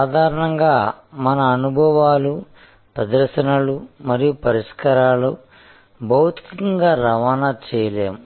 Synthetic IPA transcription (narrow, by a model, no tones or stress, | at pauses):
saːd̪ʱaːɾɐɳɐŋɡaːmɐnɐːnubʱɐʋaːlu | pɾɐd̪ɐɾʃɐnɐlumɐɾijupɐɾiʂkɐɾaːlu | bʱɐwut̪i̥kikɐŋɡaːɾɐʋaːnɐt͡ʃɛːjɐleːmu